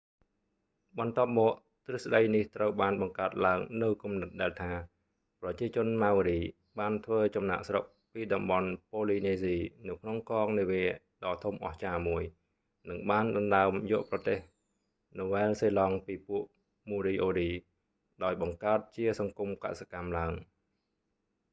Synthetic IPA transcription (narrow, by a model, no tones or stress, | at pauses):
ɓɑnt̪ŏəp̚mɔːʔ | t̪rɨsɗəjniht̪rəwɓaːnɓɑŋkaət̪̚laəŋnɨwkumnɨt̪̚ɗaɛlt̪ʰaː | prɑt͡ɕiət͡ɕʊ̆ənmaːwɾiː | ɓaːnt̪ʰʋəːt͡ɕɑmna̰ːʔsrok̚ | piːɗɑmɓɑnpoːliːneːziːnɨwkʰnoŋkɑːŋniəʋiə | ɗɑːt̪ʰumʔɑ̰ht͡ɕaːmuəj | nɨŋɓaːnɗɑnɗaəmjɔəʔprɑt̪eːh | noʋɛɛlseːlɑŋpiːpuəʔ | muːɾiːʔoːɗiː | ɗaɔjɓɑŋkaət̪̚t͡ɕiəsɑŋkumka̰ʔsakamlaəŋ